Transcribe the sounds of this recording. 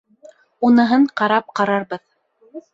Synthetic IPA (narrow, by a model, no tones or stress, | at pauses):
unɤ̆ɦɤɴqɑɾɑp̚qɑɾɑɾbɤð